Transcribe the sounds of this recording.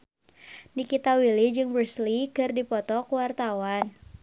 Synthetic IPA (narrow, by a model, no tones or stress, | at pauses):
nikit̪awilid͡ʒɨŋbɾuslikɨrdipɔt̪ɔkuwart̪awan